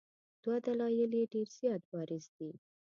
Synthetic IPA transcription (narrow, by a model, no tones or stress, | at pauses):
d̪̥wad̪alɑjɪleɖeɾz̥jɑt̪̚bɑɾɪzd̪i